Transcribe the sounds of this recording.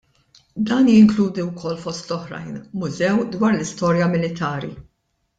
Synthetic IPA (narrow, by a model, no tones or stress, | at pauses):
d̪ɐːnjɪŋkluːd̪iwkʰɔlːfɔst̪lɔħɾɐ̰jnmʊzɛwd̪wɐːɾlɪst̪ɔːɾjɐmɪlɪt̪ʰɐːɾḭ